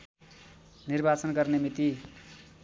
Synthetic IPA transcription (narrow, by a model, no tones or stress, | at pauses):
nirbat͡sʌnɡʌrnemit̪i